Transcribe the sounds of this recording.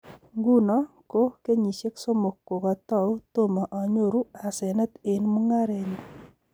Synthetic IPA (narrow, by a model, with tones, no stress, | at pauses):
ŋɡu˦nɔ˦ | ko˦ke˦ɲi˨ʃe˦kso˦mo˨kːo˨kɔ˨tɔ˦˨u˦to˦˨ma˨ʔɔ˨ɲo˦ɾu˦a˨se˨nɛ˦t̪e˨nmu˦ŋa˦ɾe˨ɲu˨